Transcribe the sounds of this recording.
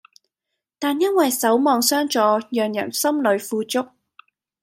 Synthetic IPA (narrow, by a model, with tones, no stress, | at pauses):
t̪aː˨njɐ˥nwɐ˨jsɐ˨˥wmɔː˨˧ŋsœː˥ŋt͡sɔː˨˧jœː˨˩ŋjɐ̰˨˩nsɐ˥mlɵ˨˧ɥfuː˧t͡sʊ˥k̚